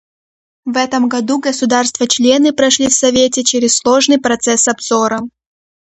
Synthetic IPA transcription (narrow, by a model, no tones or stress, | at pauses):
vɛt̪əmɡɐd̪uɡəsʊd̪arst̪vət͡ɕlʲenɨpɾɐʂlʲifsɐvʲetʲɪt͡ɕeɾʲɪsslˠoʐnɨjpɾɐt̪sɛsɐbz̥oɾə